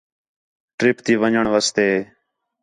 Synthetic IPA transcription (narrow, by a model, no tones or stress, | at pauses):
ʈɾɪpt̪iːʋəɲəɳʋaːst̪eːeː